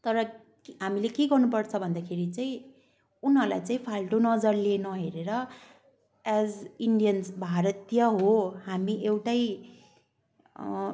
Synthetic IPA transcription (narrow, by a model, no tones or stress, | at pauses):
t̪ʌɾʌ | kɦamilekeɡʌrnupʌrt͡sʰʌbʱʌnd̪akʰeɾit͡saĩ | unɦʌlajt͡saĩpʰalʈonʌd͡zʌrlenʌɦeɾeɾʌ | ad͡ziɳɖijʌnsbʱaɾʌt̪jʌɦoɦamiewʈaj